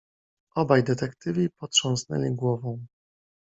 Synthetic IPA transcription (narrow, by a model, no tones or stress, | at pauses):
ʔɔbajd̪ɛt̪ɛkt̪ɘvʲipɔt̪ʂɔ̃w̃snɛ̰lʲiɡwɔvɔ̃w̃